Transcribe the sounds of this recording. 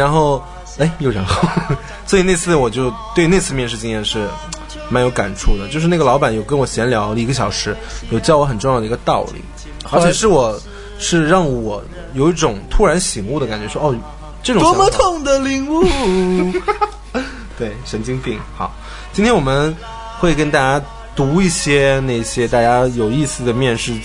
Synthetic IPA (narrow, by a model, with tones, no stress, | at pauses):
ɻa˧˥nxo˥˩ʊ | e˥˩ɪjo˥˩ʊɻə˧˥xo˥˩ʊ | sɔ˧˥i˨˩ne˥˧ɪt͡sʰɹ̩˥˩ə˩wɔ˨˩t͡ɕjo˥˧ʊt̪we˥˧ɪne˥˧ɪt͡sʰɹ̩˥˧mjɛ˥˧nʂɻ̩˥˧t͡ɕi˥jɛ˥˧nʂɻ̩˥˩ | ma˧˥njo˧˥ʊka̰˨˩nʈ͡ʂʰu˥˩d̪ə˩t͡ɕjʂɻ̩˥na˥˩ɡə˩lɑ˧˥ʊpa˨˩˦njo˨˩ʊk̬ə˥nwɔ˨˩ɕjɛ˧˥nljɑ˧˥ʊ˧˩i˧ɡə˧ɕ̬jɑ˨˩ʊʂɻ̩˧˥jo˨˩ʊt͡ɕɑ˥˧ʊwɔ˧˥xə˨˩nʈ͡ʂʊ˥˧jɑ˥˩d̪ə˧t̪ɑ˥˩ʊlḭ˨˩˦ | t͡ɕjɛ˨˧˩ʂ̬ɻ̩˥˩wɔ˨˩ | ʂɻ̩˥˧ɻɑ˥˩ŋwɔ˨˩ | jo˨˩ʊi˥˩ʈ͡ʂʊ˨˩ŋt̪ʰu˥ɻa˧˥nɕi˧˥ŋu˥˩d̪ə˩ka˨˩nt͡ɕɥɛ˧˥ʂwɔ˥ɔ˥˩ | ʈ͡ʂɤ˥˩ʈ͡ʂʊ˨˧˥mɔ˧t̪ʰʊ˨˩ŋd̪ə˨li˧˥ŋu˥˩ | t̪we˥˩ɪʂə˧˥nt͡ɕi˥ŋpi˥˩ŋxɑ˨˩˦ʊ | t͡ɕi˥nt̪ʰjɛ˥wɔ˨˩mə˦n | xwe˥˩ɪkə˥nt̪a˥˧t͡ɕja˥ | t̪u˧˥i˥˩ɕjɛ˥na˥˩ɪɕjɛ˥t̪a˥˧t͡ɕja˥jo˨˩ʊi˥˧sɹ̩˥˩d̪ə˩mjɛ˥˧nʂɻ̩˥˩